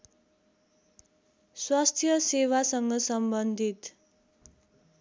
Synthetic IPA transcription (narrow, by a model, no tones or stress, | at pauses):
swast̪ʰjʌsewasʌŋɡʌsʌmbʌnd̪ʱit̪